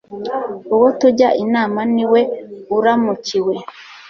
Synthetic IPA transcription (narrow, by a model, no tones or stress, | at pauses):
uwotuɟaʔinaːmaniwe̞uɾamuciwe̞